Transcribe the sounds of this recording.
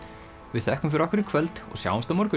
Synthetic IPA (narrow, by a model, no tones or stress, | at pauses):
vɪðθɛhkʏmfɪɾɔhkvɪɾɪkʰvœlt̪ɔ̰ɣsja̰ːwamst̪amɔɾkʏ